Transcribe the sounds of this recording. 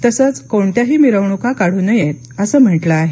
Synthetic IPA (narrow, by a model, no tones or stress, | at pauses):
t̪əsət͡skoɳt̪jaɦiːmiɾəʋɳukakaɽ̤uːnəjet̪̚ | əsəːm̤əʈləaɦe